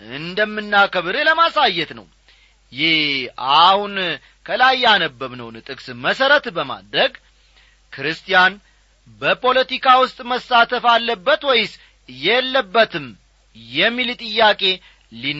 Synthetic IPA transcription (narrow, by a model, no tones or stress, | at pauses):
ɨnd̪əmːɨnːakəβɨɾeləmasajːɛt̪nə̰w | jɪhahun | kʰəlajanəbːəβnə̰wnɨt̪ʼɨkʼsməsəɾət̪bəma̰d̪ɾəɡ | kʰɾɨst̪ʰʼijan | bəpʰo̞lət̪ikʰawʊst̪ʼməsːat̪ʰəfalːəbːət̪wɔjɪs | jɛlːəbːət̪ʰɨm | jɛmːilt̪ʼɨjːakʼe̞ | lin